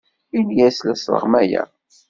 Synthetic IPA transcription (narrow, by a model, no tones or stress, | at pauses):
injæslæsɾˤə̰ʁmæjæ̰